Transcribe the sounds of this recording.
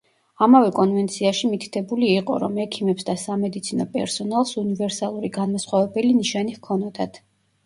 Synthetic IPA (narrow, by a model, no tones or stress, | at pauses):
amavɛkʼɔnvɛnt̪sʰiaʃimit̪ʰi̥t̪ʰɛbuliːqʼɔ̰ɾɔ̰mɛkʰimɛpsd̪asamɛd̪it̪sʰinɔpʼɛ̰ɾsɔnalˠsunivɛɾsalˠuɾiɡanmasχwavɛbɛliniʃanihkʰɔnɔd̪at̪ʰ